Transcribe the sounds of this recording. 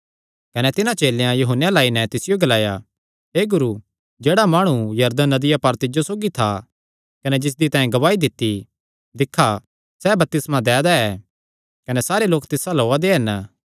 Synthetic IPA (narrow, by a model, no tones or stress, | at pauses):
kɐnɛt̪ɪnãt͡ʃeːlejãjuɦənːjãlaːinɛt̪ɪsɪjoɡɐlaːja | ɦeːɡʊɾu | d͡ʒeːɽamaːɽ̃ujɐɾd̪ənːɐd̪ɪjapɐɾt̪ɪd͡ʒosoːɡit̪ʰa | kɐnɛd͡ʒɪs̬d̪it̪ãːɦẽɡɐʋaːid̪ɪt̪ːi | d̪ɪkʰːa | sɛːbɐp̚t̪ɪsmãd̪ɛːd̪aɛː | kɐnɛsaːɾeloːkt̪ɪsaloːad̪eɦɐn